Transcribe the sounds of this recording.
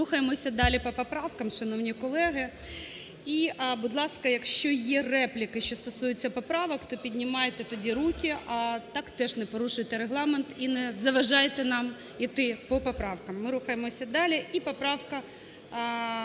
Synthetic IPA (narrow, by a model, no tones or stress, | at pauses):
uxɐjemɔsʲɐd̪ɑlʲipɔpɔpɾɑwkɐmʃɐnɔwnʲikɔlˠɛɦɪ | iʔbʊd̪lˠɑskɐjɐkʃt͡ʃɔjɛrɛplʲɪkɪʃt͡ʃɔst̪ɔsujɪt͡sʲːɐpɔpɾɑʋɔkt̪ɔpʲidʲnʲɪmɑjet̪ɛt̪ɔdʲiɾukʲiɐt̪ɑkt̪ɛʐnɛpɔɾuʃʊjt̪ɛɾeɦlˠɑment̪inɛzɐʋɐʒɑjet̪ɛnɑm | it̪ɪpɔpɔpɾɑwkɐmːɪɾuxɐjemɔsʲɐd̪ɑlʲiʔipɔpɾɑwkɐ